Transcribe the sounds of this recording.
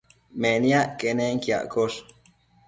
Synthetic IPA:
menjaʔkʼeneŋkia̰ʔkoʃ

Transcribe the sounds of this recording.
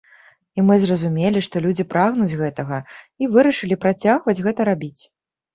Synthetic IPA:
imɨzrɐzumʲelʲiʂt̪ɔlʲud͡zʲipɾaɣnud͡zʲɣɛt̪ɐɣɐ | ivɨɾɐʂɨlʲipɾat͡sʲaɣvɐd͡zʲɣɛt̪ɐɾabʲit͡sʲ

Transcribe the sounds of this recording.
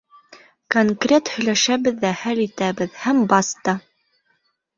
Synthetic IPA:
koŋkrʲet̪hɵ̆jlæʃæβɘðːæhælit̪æβɘðhæmbɑst̪ɑ

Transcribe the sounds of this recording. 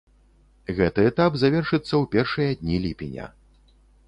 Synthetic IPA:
ɣɛt̪ɨɛt̪apzavʲɛrʂɨt̪sːɐwpʲɛrʂɨjɐd̪ʲnʲilʲipʲḭnʲɐ̰

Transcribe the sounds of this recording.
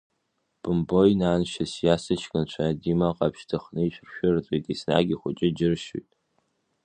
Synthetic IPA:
b̥ɨmbo̞jnaːnʃasjasɨt͡ʃʰkʼɨnt͡ʃʷʰaadimaqʼapʰʃtʰɨχnɨit͡ʃʷʼrʃᶣʊrt͡sʼejtʼisna̰ɡʲiχʷʊt͡ʃʼɪd͡ʒɪrʃṵjtʼ

